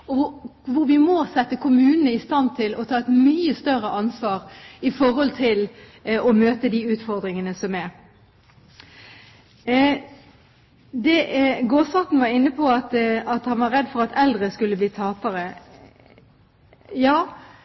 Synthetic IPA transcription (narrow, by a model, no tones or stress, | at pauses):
ɔʋʊʋʊɾʋɪmɔsɛt̪ːəkʰʊmʉːnənəɪst̪ɑnt̪ʰɪlɔt̪ʰɑːɛt̪myːəst̪œɾəʔɑnsʋɑːʁɪfɔɾhɔlt̪ʰɪl | ɔmøːt̪əd̪iːʉːt̪fɔʁd̪ɾɪŋənəsɔmɛ | d̪ɛɡoːsɑt̪n̩ʋɑɾɪnːəpʰɔɑt̪ɑt̪hɑnʋɑɾɛd̪fɔɾɑt̪ʰɛld̪ʁəskʉlːəbliːt̪ʰɑːpəɾə | jɑː